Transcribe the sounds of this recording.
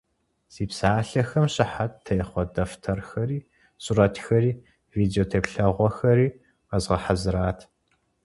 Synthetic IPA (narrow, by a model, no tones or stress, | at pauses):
z̥iːpsaːɬɐxɐmɕʼɪħattʰːɐjχʷɔdɐftʰɐrxɐɾiː | sʼuɾɐtʰxɐɾiː | viːdeoːtʰeːpɬɐʁʷɔxɐɾiː | qɐzʁɐħazɨɾaːtʰ